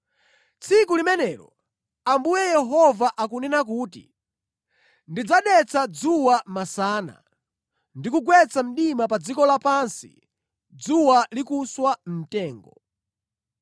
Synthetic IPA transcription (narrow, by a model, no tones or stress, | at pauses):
t͡sʰikulimɛnɛːɾɔ̰ | ambujɛjɛɦɔvaʔakunɛnak̬uːtḭ | ndid͡zaɗɛt͡sʰad͡zuwamasaːna̰ | ndikuɡwɛt͡sam̩ɗimap̬ad͡zikɔlapansḭ | d͡zuwalikuswam̩tɛːŋɡɔ